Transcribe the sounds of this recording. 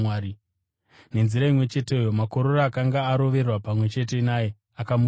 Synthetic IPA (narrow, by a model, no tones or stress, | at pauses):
aːɾi | ne̞nziɾaimwe̞t͡ʃe̞te̞ojo̞mako̞ɾo̞raːkaŋɡaːɾo̞ʋe̞rwapamwe̞t͡ʃe̞t̬e̞naːje | akamu